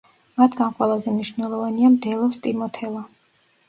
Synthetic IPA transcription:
mat̪ʰɡanqʼwɛlˠazɛmniʃvnɛlˠɔvaniamd̪ɛlˠɔst̪ʼimɔt̪ʰɛlˠa

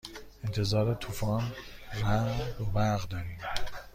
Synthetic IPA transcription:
ent̪ʰe̞zɒːɾet̪ʰufɒːnɾæd̪obæɾɣd̪ɒːɾiːm

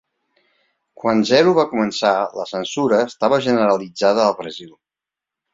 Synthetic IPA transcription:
kwanzɛɾuβakumənsalə̰sənsuɾəːst̪aβəʒənəɾəlid͡zaðəːlˠβɾəzil

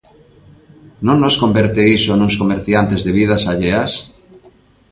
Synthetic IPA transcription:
nõŋːoskombeɾt̪eisonũŋskomeɾθjant̪ezðeβið̞asaʎeas

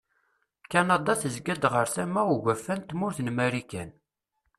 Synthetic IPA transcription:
kænɑd̪ˤɑθəzɡæd̪ʁəɾsæmæuʝæfːænt̪mʊɾθənmæɾikæn

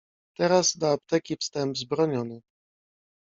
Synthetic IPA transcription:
t̪ɛɾazd̪ɔapt̪ɛkʲifst̪ɛmbzbɾɔɲɔnɘ

